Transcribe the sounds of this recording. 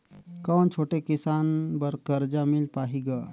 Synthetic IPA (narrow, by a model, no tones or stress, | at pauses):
kənt͡ʃʰoʈekisanbəɾkəɾd͡ʒamilpaɦiɡa